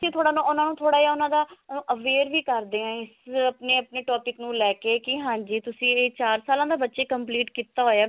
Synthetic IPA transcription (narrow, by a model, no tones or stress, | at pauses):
sĩːt̪ʰoːɽaːnũːʊnãːnũːt̪ʰoːɽaːjaːʊnãːd̪ãːʔəʋeːɾʋiːkəɾd̪eːãːɪsəpneːəpneːʈɔːpɪknũːlɛːkeːkɪɦãːd͡ʒiːt̪ʊsĩːeːt͡ʃaːɾsaːlãːd̪aːbətːʃeːkəmpliːʈkiːt̪aːɦoːjaː